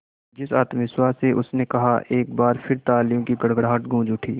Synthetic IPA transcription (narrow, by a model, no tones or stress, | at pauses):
d͡ʒɪsaːt̪mɪswaːseʔʊsnekɐɦaʔeːk̚baːɾpʰɪɾt̪aːlijõkiɡɐɽɡəɽɦaːʈɡʱũːd͡ʒʊʈʰiː